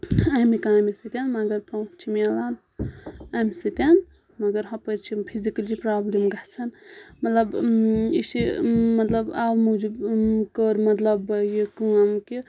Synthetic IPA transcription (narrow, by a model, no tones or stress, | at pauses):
amikaːmisɨt̪ʲanmɐɡɐɾpɐ̃wt͡ʃt͡ʃʰimelaːn | amisɨt̪ʲan | mɐɡəɾɦɐ̃pəɾt͡ʃʰipʰizikɐld͡ʒipɾaːblimɡaht͡sʰɐnmɐt̪lɐbisimɐt̪lɐbawmud͡ʒubkəɾmɐt̪lɐbjikəamki